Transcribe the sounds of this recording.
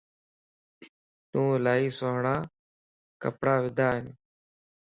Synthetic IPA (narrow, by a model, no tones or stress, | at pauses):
t̪ũːlaːiːsoːɦɳaː | kəpɽaːʋɪd̪ʱaːɦɪn